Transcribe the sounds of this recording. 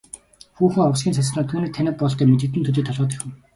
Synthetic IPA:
xuːxɘ̆ŋɔwsɡʲiːns̬asnɔːt̪ʰuːniːk̚t̪ʰænʲə̆p̚pɔɮt̪æːmet̪̬ɘ̆k̚t̪ɘ̆nt̪ʰuɮiːt̪ʰɔɮʁɔːt̪̬ixɘ̆w

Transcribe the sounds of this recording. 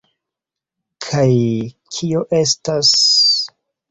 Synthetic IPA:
kʰajkʰio̞ʔe̞stas

